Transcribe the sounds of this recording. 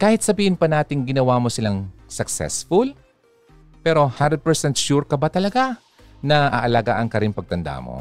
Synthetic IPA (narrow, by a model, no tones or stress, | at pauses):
kaːhɪt̪̚sɐbiːhɪnpɐnaːt̪ɪŋɡɪnɐwamosɪlaŋsɐksɛ̰sfʊl | pɛːɾo̞hand̪ɛd̪̚pɛɹsɛnt̪̚ʃuɹkɐbat̪ɐlɐɡa | nɐʔɐʔɐlaːɡaʔɐŋkɐɾɪnpɐɡ̚t̪ɐnd̪a̰mo̰